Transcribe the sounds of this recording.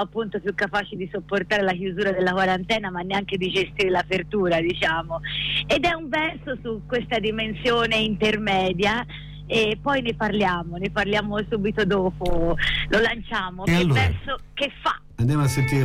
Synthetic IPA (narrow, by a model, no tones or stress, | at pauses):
apːunt̪opjukːapaːt͡ʃid̪isopːort̪aːɾelakjuzuːɾad̪elːakwaɾant̪ɛːnamanːeaŋk̟ed̪id͡ʒest̪iːɾelapert̪uːɾad̪it͡ʃaːmoed̪ɛuɱvɛrsosukːwest̪ad̪imensjoːneint̪ermɛːd̪ja | epːɔjneparljaːmoneparljaːmosuːbit̪od̪oːpolʔolant͡ʃaːmoevɛrsokefːa̰ | and̪jamoasːent̪iːɾ